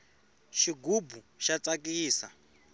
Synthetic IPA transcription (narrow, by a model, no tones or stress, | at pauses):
ʃiɡubu | ʃat͡sak̬iːsa